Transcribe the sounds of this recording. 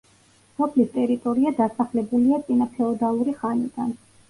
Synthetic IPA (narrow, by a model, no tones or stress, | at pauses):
sɔpʰlist̪ʼɛɾit̪ʼɔɾiad̪asaχlɛbuliat̪sʼinapʰɛɔd̪alˠuɾiχanid̪̥an